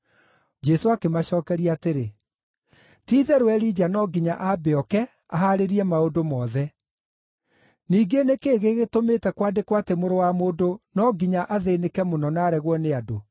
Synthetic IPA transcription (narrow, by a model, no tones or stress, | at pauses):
d͡ʒɛsoakemaɕɔːkɛɾiateɾe | tiːðɛɾwɛɾid͡ʑanɔɡiɲaʔabeɔkɛ | aɦaɾeɾiɛmaodomɔːðɛ | niːɡenekeːɣeɣetometɛkwadekwatemoɾowamoːdonɔɡiɲaʔaðenekɛmonɔnaːɾɛɣwɔneado